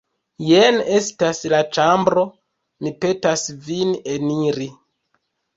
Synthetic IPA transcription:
jene̞staslat͡ʃambɾo̞ | mipe̞tasvineniɾi

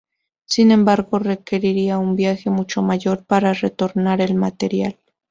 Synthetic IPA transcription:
sinẽ̞mbaɾɣo̞re̞ke̞ɾiɾiaumbjaxe̞mut͡ʃo̞maʝo̞ɾpaɾare̞t̪o̞ɾnaɾe̞lmat̪e̞ɾjal

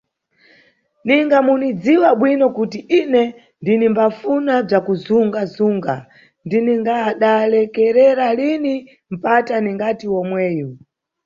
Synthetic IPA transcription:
niŋɡamunid͡ziwaɓwinɔkutiʔinɛ | ndinimbafunab͡ʐakuzuŋɡazuŋɡa | ndiniŋɡaːɗalɛkɛɾɛɾalini | m̩pataniŋɡatiwɔmwɛːjɔ

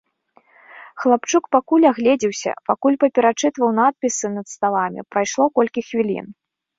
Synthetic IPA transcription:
xlˠapt͡ʂukpakulʲaɣlʲɛd͡zʲiwsʲɐ̰pakulʲpɐpʲɛɾat͡ʂɨt̪vɐwnat̪̚pʲisɨnɐt̪st̪alˠamʲḭpɾajʂlˠɔkɔlʲkʲixvʲilʲḭn

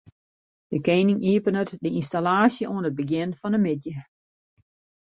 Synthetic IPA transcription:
d̥əkeːnɪŋiəpənətdəinstalaːsjəuənəd̚bəɡjɪnfɔnəmɪdjə

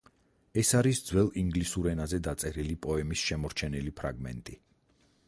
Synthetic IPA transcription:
ɛsaɾisd̪zwɛlˠiŋɡlisuɾɛnazɛd̪at̪sʼɛɾilipʼɔɛmisʃɛmɔɾt͡ʃʰɛnilipʰɾa̰ɡmɛ̰nt̪ʼi

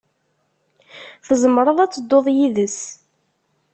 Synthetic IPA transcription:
θəzəmɾˤəðˤæt͡sːəd̪ːoðˤjiðəs

